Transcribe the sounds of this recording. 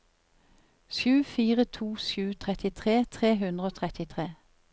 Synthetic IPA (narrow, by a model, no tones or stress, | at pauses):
sʉːfiːʁət̪ʰuːʃjʉːt̪ʰʁɛt̪ɪt̪ʰʁeːt̪ʰʁeːɦʉnʁəoːt̪ʰʁɛt̪ɪt̪ʰʁeː